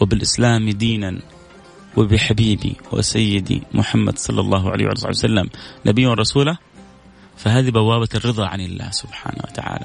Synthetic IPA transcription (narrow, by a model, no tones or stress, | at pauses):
wɪbɪlʔɪslaːmd̪iːnan | wɪbɪħabiːbḭwɪ̰sajːɪd̪ḭmʊħamːa̰d̪sˤɑlːɑlˤːɑːɦʕa̰a̰ːwʔalːsˤɑ̰wsalːamnʔabɪjːwrˤːɑsuːla | faɦaːðibawːaːbat̪rːɨðˤɑʕanɪlːa̰ːhsʊbħa̰ːnawa̰t̪aʕa̰ːla